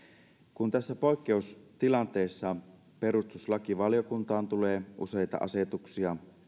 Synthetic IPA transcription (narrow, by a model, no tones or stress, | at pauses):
kunt̪æsːæpo̞jkːe̞ust̪ilɑnt̪e̞ːsːɑ | pe̞ɾust̪uslɑkiʋɑljo̞kunt̪ɑːnt̪uleːʔṵse̞jt̪ɑ̰ʔɑ̰set̪uksiɑ